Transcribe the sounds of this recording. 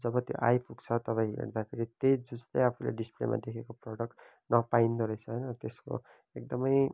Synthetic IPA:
d͡zʌbʌt̪jo̰ʔajpʰukt͡sʰʌt̪ʌpaĩɦḛrd̪apʰeɾit̪ejd͡zud͡zt̪ʌjapʰulḛɖisplḛmʔa̰d̪ekʰekoproɽʌk̚ʈ | nʌpaind̪ʌɾʌjt͡sʰʌɦʌjnʌt̪esko̰ | ek̚d̪ʌmʌj

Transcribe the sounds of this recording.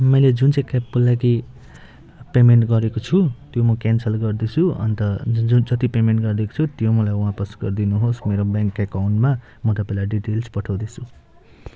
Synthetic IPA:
mʌjled͡zunt͡sãĩkapːulːaki | pemeɳʈɡʌɾekot͡sʰut̪jomʌkansʌlɡʌrd̪et͡sʰuʌ̰nt̪ʌud͡zʌt̪ipemeɳʈɡʌrd̪eko̥t͡sʰut̪jomʌlajwɦãpʌsɡʌrd̪inuɦosmeɾobjaŋkːakawnʈma | mʌt̪ʌpailaɖiʈelspʌʈʰawd̪et͡sʰu

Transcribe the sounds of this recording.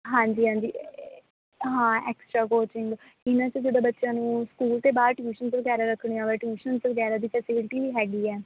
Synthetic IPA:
ɦãːɲd͡ʒiːɦãːɲd͡ʒiː | ɦãːɛːksʈɾaːkoːt͡ʃɪŋɡ | ɪnãːt͡ʃəd͡ʒɪd̪aːbətːʃjãːnũːskuːlt̪eːbaːɾʈjuːʃənsʋəɡɛːɾaːɾəkʰːɽ̃iːãːʋɛːʈjuːʃənsʋəɡɛːɾaːd̪iːpʰɛːsɪbɪlɪʈiːɦɛːɡiːɛː

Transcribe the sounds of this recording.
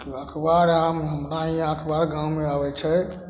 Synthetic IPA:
kiakʰbaɾamɦəmɾaɦiãkʰbaɾɡãwmeabɛt͡ʃʰɛ

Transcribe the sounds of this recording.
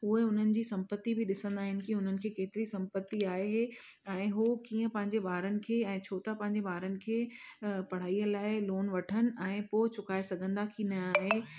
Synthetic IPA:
ɦueʊn̤ənɪ̆d͡ʑiːsɐ̃mpət̪ːibɪɗɪsə̃nd̪aːɦɪnɪ̆kiʊn̤ənɪ̆kʰeːkeːt̪ɪɾisɐ̃mpət̪ːiaːɦeɦe | ɛ̃ːɦokiːə̃pɐ̃ɦɪ̃ɲd͡ʑebaːɾənɪ̆kʰeːɛ̃ːt͡ɕʰoːt̪apɐ̃ɦɪ̃ɲ̆d͡ʑebaːɾənɪ̆kʰeːpɐɽ̤aːiːəlaːɪloːnʋɐʈʰənɪ̆ɛ̃ːpoːɪt͡ɕʊkaːesɐɡʱə̃nd̪akʰinɐaːɦeː

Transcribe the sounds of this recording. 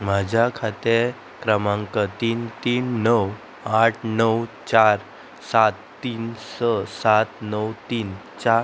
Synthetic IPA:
mad͡ʑʱakʰat̪e | kɾəmãŋkət̪iːnt̪iːnːəw | aʈʰnəwt͡ɕaɾ | sat̪ːiːnsəsat̪nəwt̪iːn | t͡ɕa

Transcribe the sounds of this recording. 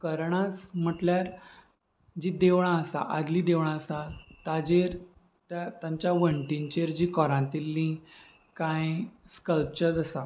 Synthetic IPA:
kəɾɳat͡sm̤əʈljaɾ | d͡ʑiːd̪eʋɳ̃aəsa̰ʔad̪liːd̪eʋɳ̃aəsat̪ad͡ʑeɾ | t̪at̪jãɲt͡ɕjaʋəɳʈiɲt͡ɕeɾd͡ʑikɔɾãnt̪ilːĩ | kajskəlp̚t͡ɕəɾd͡zəsa

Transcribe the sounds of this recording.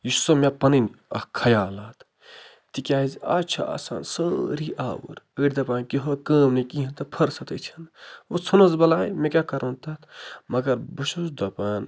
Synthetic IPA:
jiʃsɐmepɐninʲɐkʰɐjaːlaːt̪ʰ | t̪ikʲaːiza̰t͡ʃʰaa̰ːsa̰ːnsəːɾiʔa̰ːwə̰ɾəːɽʲd̪ɐpaːnʲkiɦokɐːmnikiɐ̃nt̪ɐpʰɐɾsɐt̪ɐt͡ʃʰɐnʋot͡sʰunɐzbɐlaːjmekʲakɐɾoːnt̪ɐt̪mɐɡɐɾbɨʃʰuzd̪ɐpɐːn

